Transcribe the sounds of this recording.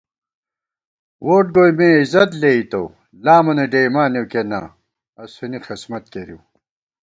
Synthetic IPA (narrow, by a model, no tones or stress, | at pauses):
wʔoːʈ̚ɡojmẽizɐt̪leit̪o̰ | laːmɐneɖejmaːnewkena̰ | ɐsunixismɐt̪̚keɾḭw